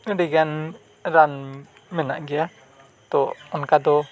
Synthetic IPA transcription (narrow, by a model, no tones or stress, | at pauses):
ɾiɡan | ɾan | mɛnaʔɡɛa | t̪ɔɔnkad̪ɔ